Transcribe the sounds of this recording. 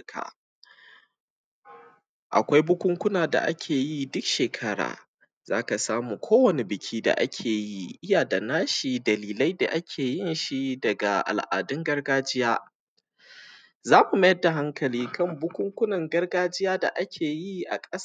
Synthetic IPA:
kʰa̰˨ | ʔa̰˨kʷa˦jbʊ˦kʷʊ˦ŋkʷʊ˦naː˨da̰˨ʔa̰˦kʲʰeː˨ji˦dʊ˦kʃeː˨kʰɐ˦ɽa̰ː˨ | z̥aː˦ka˨saː˦muː˨kʷʰoː˦wɐ˨ne˨bɪ˨kʲʰiː˦da̰˨ʔa̰˦kʲʰeː˨ji˦ʔɪ˦jaː˨da˨naː˦ʃi˨dɐ˨liː˨la˦jda̰˨ʔa˦kʲʰeː˨jɪ˦nʃi˦dɐ˨ɡa˨ʔa̰˨lʔa̰ː˨dɪ˦ŋɡɐ˦rɡaː˦d͡ʒɪ˦jaː˦ | zaː˦mu˨mɐ˦jɐ˦dːa˨ɦa˦ŋkʰɐ˨liː˦kʰɐ˦˨mbʊ˦kʷʊ˦ŋkʷʊ˦nɐ˨ŋɡɐ˦rɡaː˦d͡ʒɪ˦jaː˦da̰˨ʔa˦kʲʰeː˨ji˦ʔa̰˨kʼɐ˦s

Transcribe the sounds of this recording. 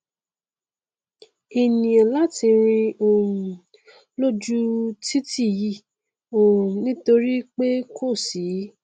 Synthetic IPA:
e˨nĩ˨a˨la˦ti˧ɾ̃ĩ˧o˨ɾũ˨ | lo˦d͡ʒu˦ti˦ti˦˨ji˦˨ | o˨ɾũ˨nĩ˦to˧ɾi˦k͡pe˦kʰo˦˨si˨˦

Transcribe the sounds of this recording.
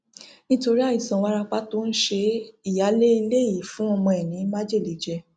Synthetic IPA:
nĩ˦to˧ɾi˦a˦˨i˨sã˨wa˦ɾa˧k͡pa˦to˦ñ̩˦ʃe˧i˦˨ja˨˦le˦i˧le˦i˦˨fũ˨˦ɔ˧mɔ̃˧ɛ˨nĩ˨˦ma˦d͡ʒe˦˨li˨d͡ʒɛ˧

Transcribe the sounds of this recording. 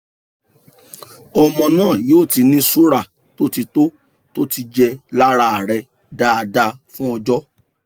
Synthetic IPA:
ɔ˧mɔ̃˧nãː˦˨joː˦˨ti˨˧nĩ˦su˦ɾa˦˨ | to˦ti˧to˦ | to˦ti˧d͡ʒɛ˧la˦ɾa˧a˨ɾɛ˧ | da˦a˧da˧fũ˦ɔ˧d͡ʒɔ˦

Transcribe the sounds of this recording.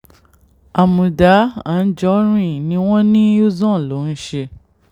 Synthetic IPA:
a˨mũ˨da˨˦ã˨n̩˦d͡ʒɔ˦ɾ̃ũ˦ĩ˨nĩ˨˦w̃ɔ̃˦nĩ˦o˦zɔ̃˦˨lo˨˦n̩˦ʃe˧

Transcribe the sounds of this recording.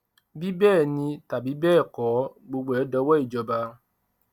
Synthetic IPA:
bi˦bɛː˦˨nĩ˧ta˨bi˨˦bɛː˦˨kɔ˨˦ɡ͡bo˧ɡ͡be˨˦dɔ˦wɛ˦i˨d͡ʒɔ˧ba˧

